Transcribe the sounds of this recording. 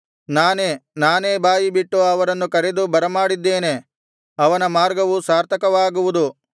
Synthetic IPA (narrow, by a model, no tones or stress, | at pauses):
naːneːnaːne̞ːbaːjibiʈːuɐʋɐɾɐnːukɐɾed̪ubɐɾɐmaːɽid̪ːe̞ːne̞ | ɐʋɐnɐmaːɾɡɐʋusaːɾt̪ʰɐkɐʋaːɡuʋud̪u